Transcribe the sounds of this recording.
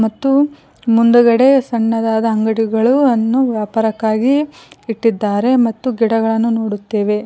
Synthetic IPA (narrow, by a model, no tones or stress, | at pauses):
mɐt̪ːu | mund̪uɡɐɽe̞sɐɳːɐd̪aːd̪ɐɐŋɡɐɽiɡɐɭuɐnːuʋjaːpaːɾɐkːaːɡiːʈːid̪ːaːɾe̞mɐt̪ːuɡiɽɐɡɐɭɐnːuno̞ːɽut̪ːe̞ːʋe̞